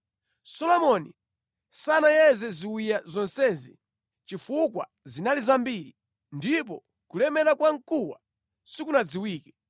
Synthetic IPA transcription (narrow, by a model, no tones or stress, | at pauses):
sɔlɔmɔni | sanajɛzɛziwijazɔnsɛzḭ | t͡ʃifukwa̰ | zinalizambiːɾi | ndip̬ɔ̰ | kulɛmɛɾakwaŋkuwa̰ | sikunad͡ziwiːkɛ̥